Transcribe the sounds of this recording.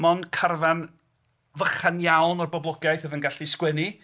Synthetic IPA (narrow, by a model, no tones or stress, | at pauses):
mɔnkʰarvan | vəχanjawnɔrbɔblˠɔɡajθəðənɡaɬiskwɪni